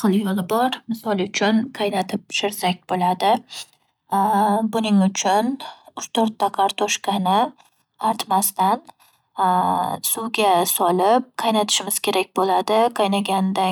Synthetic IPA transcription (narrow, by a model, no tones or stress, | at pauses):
qʰɨlˠjɒlˠɪbɒɾmɪsɒlˠʊt͡ʃʰʊnqʰɑjnat̪ʰɪp̚ʃɪɾsak̚ʲbolad̪ɪ | bʊnɪŋʊt͡ʃʰʊnʊt͡ʃt̪ʰoɾt̪ːaqʰɑɾt̪ʰɒʃkʲanɪ | aɾt̪mast̪an | sʊwɡʲasɒlɪp̚qʰɑjnat̪ʰɪ̥ʃɪmɪz̥kʲʰe̞ɾakʲbolad̪ɪqʰɑjnaɡʲand̪a